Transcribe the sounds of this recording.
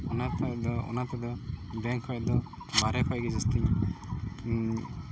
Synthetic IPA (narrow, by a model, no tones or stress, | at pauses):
ɔnat̪ad̪ɔɔ̰nat̪ad̪ɔbɛŋkʰɔjad̪ɔ | baɾɛkʰɔjɡɛd͡ʒast̪iɲ